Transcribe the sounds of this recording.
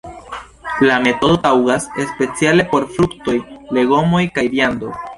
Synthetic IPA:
lame̞to̞dotawɡase̞spe̞t͡siale̞po̞ɾfɾukto̞jle̞ɡo̞mo̞jkajɾjando̞̰

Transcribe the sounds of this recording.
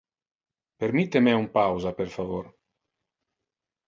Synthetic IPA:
peɾmit̪emɛumpawzapeɾfavoɾ

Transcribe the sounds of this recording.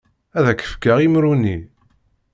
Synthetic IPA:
æðækːə̥fkaʁimɾuni

